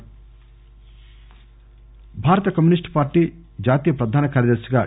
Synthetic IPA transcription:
bʱaːɾɐt̪ɐkɐmjunisʈpaːɾʈiː | d͡ʒaːt̪iːjɐpɾɐd̪ʱaːnɐkaːɾjɐd̪ɐɾsɐɡa̰ː

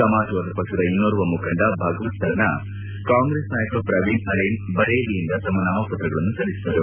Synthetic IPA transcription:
sɐmaːd͡ʒɐʋaːd̪ɐpɐkʂɐd̪ɐinːoːɾuʋɐmukʰɐɳɖɐbʱɐɡɐʋɐt̪ʰɐɾɐnːɐ | kaːŋɡɾeːsnaːjɐkʋɐpɾɐʋinɐɾejnbɐɾeːlijind̪ɐt̪ɐmːɐnaːʋɐpɐt̪ɾɐɡɐɭɐnːusɐlːisi̥t̪ɐɾu

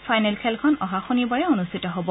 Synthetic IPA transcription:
fʰajnɛlkʰɛlkʰɔnɔɦaxonibaɹɛonustʰitɔɦɔbɔ

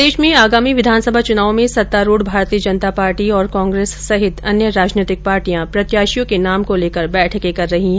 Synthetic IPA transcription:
d̪eːʃmẽaːɡaːmiʋɪd̪ʱaːnsəbʱat͡ʃʊnaːʋõmẽsɐt̪ːaːɾuːɽbʱaːɾt̪iːəd͡ʒɐnt̪apaːɾʈiɔːɾkɔ̃ːŋɡɾeːsːɐɦɪt̪ɐnjəɾaːd͡ʒneːt̪ɪk̚paːɾʈijãpɾɐt̪jaːʃijõkenaːmkoleːkəɾbɛːʈʰkekɐɾːɐɦiɦɛ

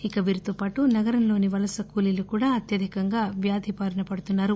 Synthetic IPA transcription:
ikɐʋiːɾit̪oːpaːʈunɐɡɐɾɐmlo̞ːniʋɐlɐsɐkuːlilukuːɽaːɐt̪jɐd̪ʱikɐŋɡaːʋjaːd̪ʱipaːɾɐnɐpɐɽut̪unːaːɾu

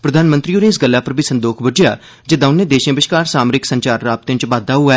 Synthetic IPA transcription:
pɾəd̪ʱaːnmə̃nt̪ɾiːʊnẽːɪsɡəlːaːpəɾbʱiːsənd̪oːkʰbəd͡ʒja̰ː | d͡ʒɪd̪ãːʊnːẽːd̪eːʃãːbɪʃkaːɾsaːmɾɪksə̃ɲt͡ʃaːɾɾaːb̚t̪ẽɲt͡ʃʋaːd̪aːɦʊaː

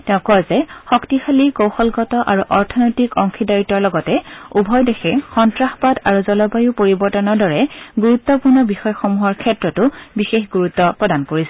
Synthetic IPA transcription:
tɛʊ̃kɔɹzɛxɔktixalikowxɔlɡɔtɔʔaɹuʔɔɹtʰɔnɔjtikɔŋkʰidaɹitːɔɹlɔɡɔtɛubʱɔjdexʰɛxɔntɹaxpadaɹuzɔlɔbajupoɹibɔɹtɔnɔɹdɔɹɛɡuɹut̪ːɔpuɹnɔbixɔjɔxomuɦɔɹkʰɛtɹɔtʊbixexɡuɹut̪ːɔpɹɔdankoɹisɛ

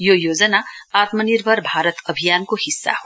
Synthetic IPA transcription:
jojoːd͡zənaaːt̪məniɾbʱəɾbʱaːɾət̪ʌbʱijaːnkohisːa̰ɦo

